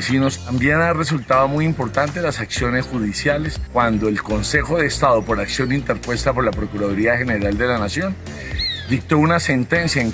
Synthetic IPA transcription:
sino̞st̪ambje̞nare̞s̬ult̪aβamujimpo̞ɾt̪ant̪e̞lasaksjo̞ne̞sxuðisjale̞skwand̪o̞elko̞nse̞xo̞ðe̞ːst̪aðo̞po̞ɾaksjo̞nint̪e̞ɾpwe̞st̪apo̞ɾlapɾo̞kuɾaðoɾiaxe̞ne̞ɾald̪e̞lanasjo̞n | d̪ik̚t̪o̞unase̞nt̪e̞nsjaeŋ

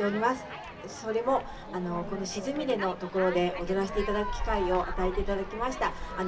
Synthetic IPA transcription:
eoɾʲimasɨ̥ | so̞ɾe̞mo̞ | ano̞ko̞no̞ɕizɨmʲiɾe̞no̞t̪o̞koɾo̞d̪e̞ʔod̪oɾaɕi̥t̪e̞it̪ad̪akɯ̟kʲi̥kaio̞ʔat̪aet̪e̞it̪ad̪akʲimaɕi̥t̪aː

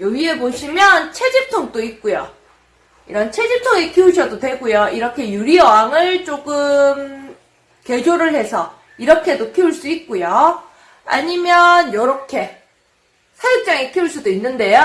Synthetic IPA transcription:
jʌɡie̞boɕʰimjʌnt͡ɕʰe̞d͡ʑip̚tʰoŋt͈oit̚k͈ojo | iɾʌnt͡ɕʰe̞d͡ʑip̚tʰoŋikʰiuɕʰʌdotwe̞ɡojoiɾʌkʰe̞juɾiʌaŋɯɭt͡ɕ͈oɡɯm | ke̞d͡ʑoɾɯɭhe̞sʰʌ | iɾʌkʰe̞dokʰiuɭs͈uit̚k͈ojo | a̰ɲimjʌnjʌɾʌkʰe̞ | sʰajuk̚t͡ɕ͈aŋikʰiuɭs͈udoinːɯnde̞jo

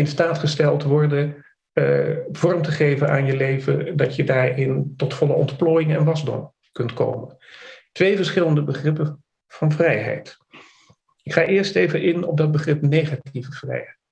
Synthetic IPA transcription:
ɪnstaːtχəstɛlˠtʋɔɹdə | v̥ɔrmtəχejvənaːnjəlejvə̰dɑtədaːɹɪntɔtfɔləɔ̰ntploːjɪŋɛnʋɑzdɔ̰m | kɵntko̰wməntʋejvəɹsχɪləndəbəχrɪpə | v̥ɑnvrɛjɦɛ̰jt | ɪkχaːʔɪːɹstejvəʔɪnɔp̚dɑd̚bəχrɪpnejχativəv̥rɛ̰jɦɛjt

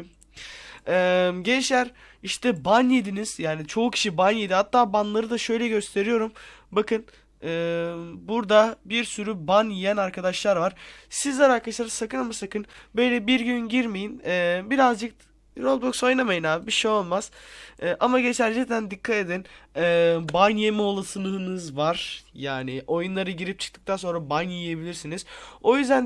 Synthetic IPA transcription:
ɛːmɟɛnt͡ʃlʲæɾ | iʃt̪ʰɛbanjed̪iniz̥jaːnit͡ʃʰo̞ucʰi̥ʃibanjed̪ihat̪ʰːaːbanlˠaɾɯd̪aʃø̞jlʲɛɟø̞st̪ʰe̞ɾijo̞ɾumbakʰɯn | ɯːmbuɾd̪abiɾsyɾybanjijænaɾkʰad̪aʃlˠaɾvaɾ̥sizlʲɛɾaɾkʰaʃlˠaɾɯsakɯnamasakɯnbø̞jlʲɛbiɾɟynɟiɾmejinɛːbiɾazd͡ʒɯk̚ | ɾolˠbokso̞jnamajɯnaːbiʃejo̞lˠmaz̥ɛːʔamaɟe̞t͡ʃ̪ælʲːɛcd̪ænd̪ikʰːat̪e̞d̪inɛːbanjemɛo̞lˠasɯnɯɦɯnɯzvaɾ̥jaːniʔo̞junˠaɾɯɟiɾip̚t͡ʃʰɯ̥k̚t̪ʰɯk̚t̪ʰanso̞nɾabanjije̞bilʲiɾsiniz̥o̞jyzd̪æn

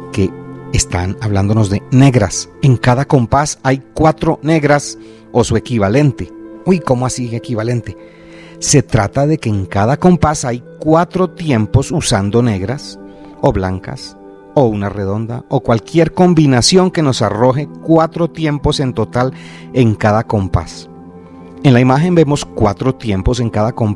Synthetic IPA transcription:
ke̞ːst̪a̰naβland̪o̞no̞zd̪e̞ne̞ɣɾaseŋkaðako̞mpasajkwat̪ɾo̞ne̞ɣɾas | o̞sue̞kiβale̞nt̪eujko̞moasiekiβale̞nt̪e̞ | se̞t̪ɾat̪aðe̞ke̞ːŋkað̞ako̞mpasajkwat̪ɾo̞t̪je̞mpo̞susand̪o̞ne̞ɣɾas | o̞βla̰ŋka̰s | ounare̞ðo̞nd̪a̰okwalkje̞ɾko̞mbinasjo̞ŋke̞no̞saro̞xe̞kwat̪ɾo̞t̪je̞mpo̞se̞nt̪o̞t̪al | e̞ŋkaðako̞mpa̰s | e̞nlaimaxe̞mbe̞mo̞skwa̰t̪ɾo̞t̪je̞mpo̞se̞ŋkaðakomp

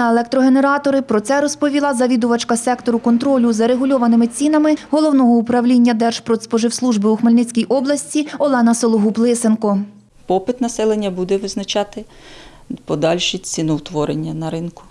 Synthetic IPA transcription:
elˠɛk̚t̪ɾɔɦene̞ɾɑt̪ɔɾɪpɾɔt̪sɛɾɔspɔʋʲilˠɑzɐʋʲid̪ʊʋɐt͡ʃkɐsɛkt̪ɔɾʊkɔnt̪ɾɔlʲʊzɐɾe̞ɦʊlʲɔʋɐnɪmɪt͡sʲinɐmɪɦɔlˠɔwnɔɦɔupɾɐwlʲinʲːɐd̪ɛrʒ̥pɾɔspɔʒɪwslˠuʒbɪuxmelʲnɪt͡sʲkʲijʔɔblˠɐsʲt͡sʲiɔlˠɛnɐsɔlˠʊɦuplˠɪsenkɔ | pɔpɪt̪nɐsɛlˠenʲːɐbud̪ɛʋɪznɐt͡ʃɑt̪ɪ | pɔd̪ɑlʲʃit͡sʲinuwt̪ʋɔɾenʲːɐnɐɾɪnkʊ̥

